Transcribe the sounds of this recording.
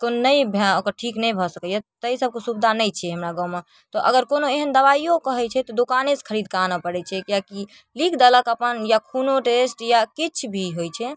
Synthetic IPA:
konːəjbʱəkəɾʈʰiknəjbʱɔsəket̪t̪əisəb̚kesubd̪ʱanəjt͡ʃʰɛɦəmɾaɡãwme | t̪ɔʔəɡəɾkonoeɦənd̪əβaijokəɦɛt͡ʃʰɛt̪ɔd̪okaneskʰəɾid̪̚kanapəɽɛt͡ʃʰɛkjaki | likʰd̪ələkəpənjakʰunoʈesʈjakit͡ʃʰbʱiɦojt͡ʃʰɛ

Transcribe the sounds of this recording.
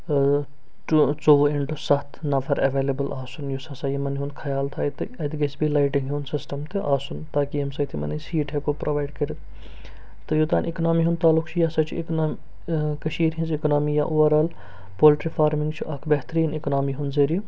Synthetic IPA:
t͡soːʋɪɳʈusɐt̪ʰnɐfʰɐɾɐʋeːlebəlʔaːsunjusɐsaːjimɐnɦũnd̪kʰɐjaːlt̪ʰaːit̪ɨɐd̪ɡesbilaːɪʈɪ̃ŋɡɦjuːnsɪsʈɐmt̪ʰeʔaːsunt̪aːkijɐmsɐt̪ʰimɐ̰nesiːʈɦekopɾoːʋaːjɖkɐɾit̪ | t̪ɨjut̪aːnʔiknaːmiːɦũnd̪t̪aːlːʊkʰt͡ʃʰijɐsɐt͡ʃʰiknːm | kɐʃiːɾɦĩnziknaːmija̰ʔoːʋɐɾaːl | poːlʈɾifʰaːɾmɪ̃ŋɡt͡ʃʰuʔɐkʰbɛɦt̪ɾiːniknaːmiːɦund̪zeːɾiju

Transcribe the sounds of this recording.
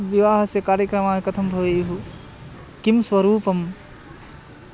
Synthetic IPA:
ʋiʋaːɦɐsekaːɾjɐkɾɐmaːjkɐt̪ʰɐmbʱɐʋeɦu | kimswʋɐɾuːpɐm

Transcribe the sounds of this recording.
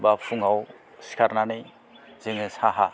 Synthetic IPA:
bapʰuŋaw | si̥kʰaɾnanɯj | z̥ɯŋɯsaɦa

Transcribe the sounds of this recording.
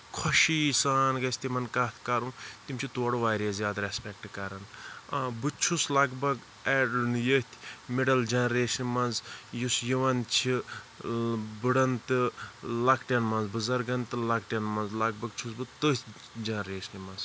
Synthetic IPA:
kʰɐʃisaːnɡɐsʰʲt̪imɐnkɐt̪ʰkɐɾũːt̪imʲt͡ʃʰit̪oːɽuʋaːɾiɐsjaːd̪ɐɾespɛk̚ʈkɐɾɐnabɨt͡ʃʰuslɐɡbɐɡ | ɛɖnjət̪ʰmeɖɐld͡ʒɐnɾeːʃɐnmɐnzjusjiʋɐnt͡ʃʰi | bɨɽɐnt̪ɨlɐkʈʲɐnmɐnzbɨzɐɾɡɐnt̪ɨlɐkʈʲɐnmɐnzlɐɡbɐɡ̚t͡ʃʰusbɨt̪ət̪ʰ | d͡ʒɐnɐɾeːʃɐnmɐnz

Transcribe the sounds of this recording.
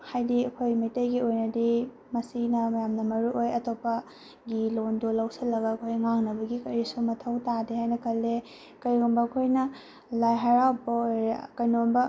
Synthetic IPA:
hajdiɐkʰojmɐjtɐjɡiojnɐdi | mɐsinɐmɐjamnɐmɐɾuʔojɐtopːɐ | ɡilondolɐwsɐlːɐɡɐɐkʰojŋaŋnɐbɐɡikɐɾisumɐtʰɐwtadeɦhajnɐkʰɐlːe | kɐɾɡumbɐːkʰojnɐ | lajɦɐɾawpːɐojɾɐkɐjnombɐ

